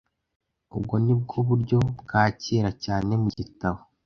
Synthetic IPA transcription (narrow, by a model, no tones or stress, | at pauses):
ṵbɡo̞nib̚ɡuβuɾɟo̞bɡaːciːɾacaːne̞muɟitaβo